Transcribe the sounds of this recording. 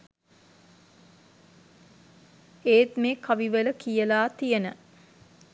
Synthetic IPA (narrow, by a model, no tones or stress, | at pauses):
eːt̪mekaʋiʋələkijəlaːt̪ijənə